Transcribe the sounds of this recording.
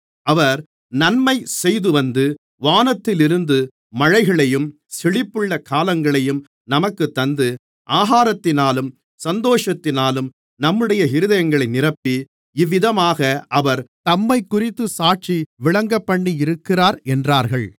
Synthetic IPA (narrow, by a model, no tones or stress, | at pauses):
ɐʋɐɾ | nɐnmɐɪsɛjðɯʋɐnd̪ɯ | ʋaːnɐt̪ːɪlɪɾɯnd̪ɯ | mɐɻɐɪɣɐɭɐjɯm | sɪɭɪpːɯɭːɐkaːlɐŋɡɐɭɐjɯm | nɐmɐkːɯt̪ːɐnd̪ɯ | ʔaːɦaːɾɐt̪ːɪnaːlɯm | sɐnd̪oːʂɐt̪ːɪnaːlɯm | nɐmːɯɽɐjɐɦɪɾɯðɐjɐŋɡɐɭɐɪnɪrɐpːi | ɪʋːɪðɐmaːɣɐʔɐʋɐɾt̪ɐmːɐɪkːʊrɪt̪ːɯsaːʈ̚t͡ʃiʋɪɭɐŋɡɐpːɐɳːiɪɾɯkːɪraːɾɛndraːɾɣɐɭ